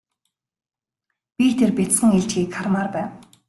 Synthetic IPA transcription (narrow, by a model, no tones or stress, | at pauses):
pʲit̪ʰerpʲet͡s̪sχə̆ŋiɮt͡ɕɡiːkχarmarpæːw